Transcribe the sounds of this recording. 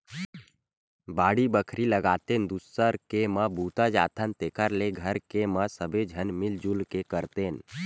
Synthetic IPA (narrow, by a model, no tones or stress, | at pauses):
baːɽibəkʰɾiləɡaːt̪end̪usːəɾkeməbuːt̪ad͡ʒa̰ːt̪ʰənt̪eːkʰəɾleɡʱəɾkeməsəbed͡ʒʱənmɪld͡ʒulkekəɾt̪eːn